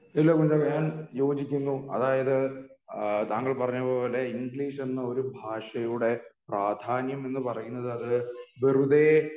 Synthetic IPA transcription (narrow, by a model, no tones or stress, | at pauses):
ilːɐkuɲd͡ʑɐkɐɲaːnjo̞ːd͡ʑikʲːunːuɐ̰ðaːjɐðɨ | t̪aːŋːɐɭpɐrɐɲːupoːɐlːeiŋɡɭiːʂe̞nːɐo̞ɾubʱaːʂɐjuɽe̞praːd̪ʱaːnjɐme̞nːɨpɐrɐjunːɐðɨɐðɨʋirud̪eː